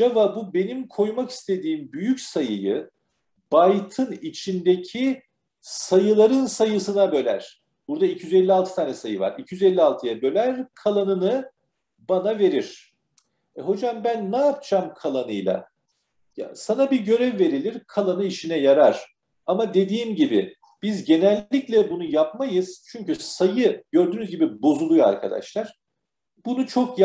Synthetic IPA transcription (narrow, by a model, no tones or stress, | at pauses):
avabube̞nimkʰo̞jmaki̥st̪ʰe̞d̪iːmbyjycsajɯjɯ | b̥ajt̪ʰɯnit͡ʃʰind̪ecʰi | sajɯlˠaɾɯnsajɯsɯnabø̞lʲæ̰ɾ̝̥ | b̥uɾd̪ailcʰijyzɛlʲːialˠt̪ʰɯ̥t̪ʰaːnɛsajɯva̰ɾicʰijyzɛlʲːialˠt̪ʰɯjabø̞lʲæɾkʰalˠanɯnɯ | banave̞ɾiɾ̥ | ɛɦo̞d͡ʒambænːaːp̚t͡ʃamkʰalˠanɯjlˠa̰ | ja̰sanabiɟø̞ɾɛvːe̞ɾilʲiɾkʰalˠanɯiʃinɛjaɾaɾ̥ | amad̪e̞d̪iːmɟibɪ | b̥izɟe̞nɛlʲːiclʲɛbunujapmajɯz̥t͡ʃʰyɲcysajɯɟø̞ɾd̪yːnyzɟibibo̞zulˠuja̰ɾkʰa̰d̪a̰ʃlˠaɾ̥ | b̥unut͡ʃʰo̞kj